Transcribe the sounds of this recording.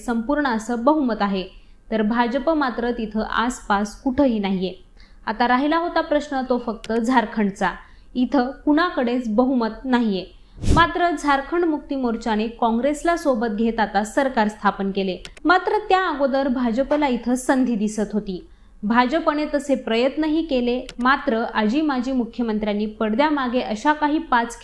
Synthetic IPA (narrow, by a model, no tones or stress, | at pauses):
səmpuɾɳəːsəbəɦumət̪aɦe | t̪əɾbʱad͡ʑəpəmat̪ɾət̪it̪ʰəʔa̰spaskuʈʰəɦiːnaɦije | at̪aɾaɦilaɦot̪apɾəsɳət̪ofək̚t̪əd͡zʱaɾkʰəɳt͡sa | it̪ʰəkuɽakəɽet͡sbəɦumət̪̚naɦije | mat̪ɾəd͡zʱaɾkʰəɳmuk̚t̪imoɾt͡ɕanekɔ̃ŋɡɾeslasobət̪̚ɡʱet̪at̪asəɾkaɾst̪ʰapənkelemat̪ɾət̪jaːɡod̪əɾbʱad͡ʑəpəlait̪ʰəsənd̪ʱiːd̪isət̪ɦot̪iː | bʱad͡ʑəpəñet̪əsepɾəjət̪nəɦiːkelemat̪ɾəʔad͡ʑiːmad͡ʑʱiːmukʰjəmənt̪ɾjanːiːpəɽd̪jamaɡeʔəɕakaɦiːpat͡sk